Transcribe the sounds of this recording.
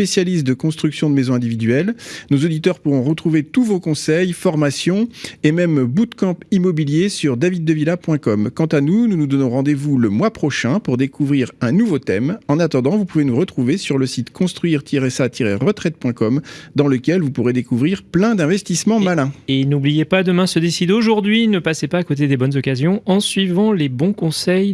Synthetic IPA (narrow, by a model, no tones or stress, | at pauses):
pesjalist̪̚d̪əkɔ̃st̪χyksjɔ̃d̪əmezɔ̃ɛ̃d̪ivid̪ɥɛlnozod̪it̪œʁpuʁɔ̃ʁət̪χuvet̪uvokɔ̃sɛjfɔʁmasjɔ̃emɛmbut̪kɑ̃pimɔbiljesyʁd̪avid̪ːəvilapwɛ̃kɔmkɑ̃t̪anununud̪ɔnɔ̃ʁɑ̃d̪evuləmwapχɔʃɛ̃puʁd̪ekuvʁiʁɛ̃nuvot̪ɛmɑ̃nat̪ɑ̃d̪ɑ̃vupuvenuʁət̪χuvesyʁləsit̪kʰɔ̃st̪χɥiʁt̪ʰiʁɛsat̪ʰiʁḛʁət̪χɛt̪̚pwɛ̃kɔmd̪ɑ̃ləkʲɛlvupuʁed̪ekuvʁiʁplɛ̃d̪ɛ̃vɛst̪ismɑ̃malɛ̃enublijepad̪əmɛ̃səd̪esid̪oʒuʁd̪ɥinəpasepaːkot̪ed̪ebɔnzɔkazjɔ̃ɑ̃sɥivɑ̃lebɔ̃kɔ̃sɛj